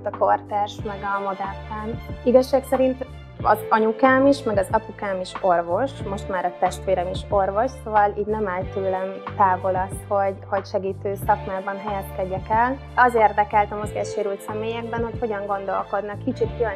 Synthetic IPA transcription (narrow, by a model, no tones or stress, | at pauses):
t̪ɒkort̪ɛrʃmɛɡɒmod̪ɛrt̪aːniɡɒʃːaːksɛɾint̪ | ɒ̰zɒɲukaːmiʃmɛɡɒzɒpukaːmiʃo̞rvo̞ʃmo̞ʃt̪maːɾɒt̪ɛʃt̪ʋeːɾɛmiʃo̞rvo̞ʃsovɒliːɟnɛmaːlt̪øːlɛnt̪aːvo̞lɒst̪ho̞ɟho̞cʃɛɡiːt̪øːsɒkmaːbɒnɦɛjɛskɛɟːɛkɛl | ɒzeːrd̪ɛkɛlt̪ɒmozɡɛːʃeːɾylt̪sɛmeːjɛɡ̚bɛnho̞cho̞ɟɒŋɡo̞n̪d̪o̞lko̞d̪nɒkːit͡ʃit̪kyl